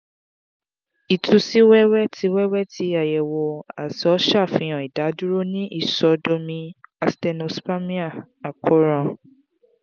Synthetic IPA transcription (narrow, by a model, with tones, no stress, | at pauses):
i˨tu˧si˦wɛ˦wɛ˦tʰi˧˦wɛ˦wɛ˦tʰi˨˧˦a˨jɛ˨wo˨a̰˨si˨˦ɔ˨˦ʃa˦˨fĩ˧˦j̃ɔ̃˨i˨da˨˦du˦ɾo˦nĩ˦ʔi˦˨sɔ˨˦do˧mĩ˧a˨stɛ˧no˨spa˦mĩ˦a˦˨ | a˨kʰo˦ɾã˧